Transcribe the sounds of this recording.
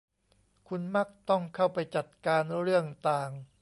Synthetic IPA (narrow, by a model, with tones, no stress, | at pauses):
kʰu˧nma˦˥˩k̚t̪ɔ˥˩ŋkʰa˥˩wpa˧jt͡ɕa˨˩t̪̚kaː˧nɾɯ˥˩əŋt̪aː˨˩ŋ